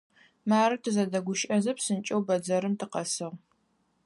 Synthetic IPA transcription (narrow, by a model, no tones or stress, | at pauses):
maːɾɨtʰɨzɐdɐɡʷʊʃʼɐzɐpsɨnt͡ʃʼɐwbɐd͡zɐɾɨmtʰɨqɐsɨʁ